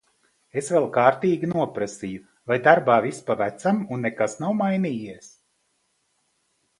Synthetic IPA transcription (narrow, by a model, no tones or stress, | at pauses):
esvɛlˠkaːɾt̪iːɡʲinuɔpɾasiju | vajd̪aɾbaːvispavæt̪samunːekasnawmajniːjiɛs